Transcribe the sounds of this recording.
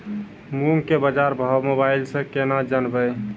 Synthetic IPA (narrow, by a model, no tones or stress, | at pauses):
muŋkebəd͡ʒaɾbʱamobailsẽkenad͡ʒənbəj